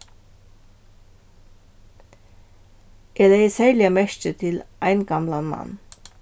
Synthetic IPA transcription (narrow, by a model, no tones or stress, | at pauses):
ɛːlejəsælɪɑmɛʃtət̪ʰɪlʔæɪnɡɑmlɑnmɑ̰nː